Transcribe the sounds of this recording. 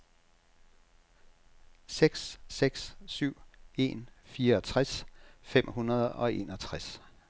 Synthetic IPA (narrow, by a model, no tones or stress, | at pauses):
seɡ̥sseɡ̥ssyʊ̰e̝̰ːnfiːɐɒ̽t͡sʰʁasfem̰hunɐð̞ˠɒ̽e̝̰nɒ̽t͡sʰʁas